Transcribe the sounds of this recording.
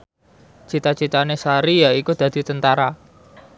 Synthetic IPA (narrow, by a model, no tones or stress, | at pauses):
t͡ʃit̪at͡ʃit̪anesaɾijaikud̪̥ä̤d̪̥i̤t̪ənt̪aɾa